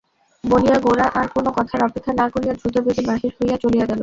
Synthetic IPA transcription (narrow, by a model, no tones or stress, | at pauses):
bolijaɡoɾaʔaɾkonokɔt̪ʰaɾɔpek̪ʰːanakolijad̪ɾut̪obed̪ibaɦiɾɦojat͡ɕolijaɡɛlo